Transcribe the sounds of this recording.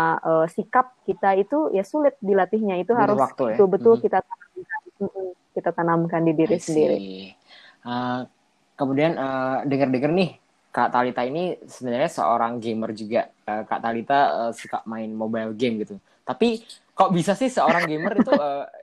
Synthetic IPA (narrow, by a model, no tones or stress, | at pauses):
aʔəːsikap̚kit̪ait̪ujasulɪt̪̚dilat̪ɪhɲait̪uɦaɾʊswak̚t̪uət̪ʊlbət̪ʊlkit̪at̪anamkam̩kit̪at̪anamkandidiɾisəndiɾḭ | ə | kəmudianədəŋərdəŋərnɪh | kat̪alit̪ainisəbənarɲasə̰o̰ɾaŋɡemərd͡ʒuɡaʔ | əːka̰ʔt̪alit̪aəsikap̚maɪnmobajlɡɛmɡit̪u | t̪api | kaobisasɪhsəoɾaŋɡemərit̪uə